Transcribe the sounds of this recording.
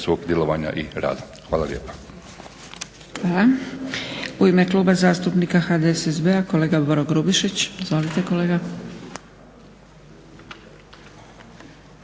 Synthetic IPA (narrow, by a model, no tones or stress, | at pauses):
sʋoːɡd̪ʲjelˠoʋaɲa̰ʔiɾa̰ːd̪a | xʋaːlaljeːpḁ | xʋaːla | uime̞kluːbazaːst̪upnikaxaːd̪eesezbeako̞le̞ːɡaboɾoɡɾubiʃit͡ɕizʋo̞lit̪e̞ko̞le̞ːɡa